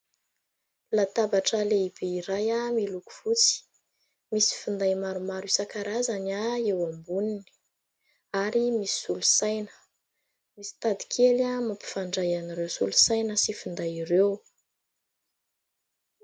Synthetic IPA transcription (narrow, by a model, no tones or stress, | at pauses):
lat̪abaʈ͡ʂəleib̥eiɾajamiluku̥vut͡si̥ | misi̥fund̪ajmaɾumaɾusakaɾazanaewambunini̥ | aɾimisi̥sulu̥sajnə̥ | misi̥t̪ad̪i̥kʰelamapi̥faɳɖ͡ʐajaniɾewsulusajnəsifind̪ajiɾew